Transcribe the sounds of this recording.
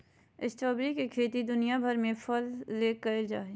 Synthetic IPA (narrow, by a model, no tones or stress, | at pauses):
ɪst͡ʃɔːbɾikekʰeːt̪id̪ʊnijabʱəɾmẽpʰəlːeːkːəd͡ʒa̰ːe